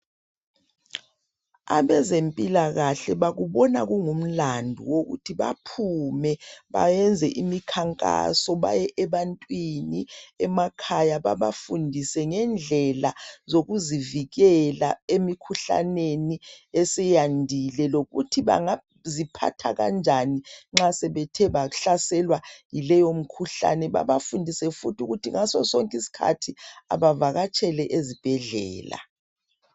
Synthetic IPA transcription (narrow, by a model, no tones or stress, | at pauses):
a̰βɛzempʼilaɣaɬɛɓaɣuɓɔna̰ɣuŋum̩landʱṵwoɣṵtʰiɓa̰pʰumɛɓa̰jɛnd͡zʱɛʔimikʰaŋkʼa̰sɔɓa̰jɛʔɛβantʼwiniɛmakʰajaɓaβafundʱisɛŋɛnd͡ɮʱɛlazoɣuziviɣɛla̰emikʰuɬa̰neniɛsɛjandʱilɛloɣṵtʰiβa̰ŋa | zipʰa̰tʰa̰ɣa̰nd͡ʒʱaniŋ͡ǁasɛβɛtʰɛβaɬasɛlwajilɛjom̩kʰuɬa̰nɛβa̰βafundʱisɛfutuɣutʰiŋasɔsɔŋkʼisi̥kʰa̰tʰia̰βavaɣat͡ʃʰʼɛlɛʔezib̥ʱɛɮɛ̰ːla̰